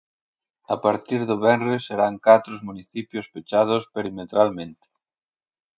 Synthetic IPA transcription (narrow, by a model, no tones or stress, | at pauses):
apaɾt̪iɾðoβɛnresːeɾaŋkat̪ɾozmuniθipjospet͡ʃað̞ospeɾimet̪ɾalmẽnt̪e̥